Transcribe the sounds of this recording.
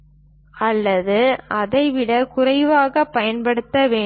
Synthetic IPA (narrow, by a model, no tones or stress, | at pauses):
ʔɐlːɐðɯɐðɐɪʋɪɽɐkʊrɐɪʋaːɣɐpːɐjɐnpɐɽɯt̪ːɐʋeː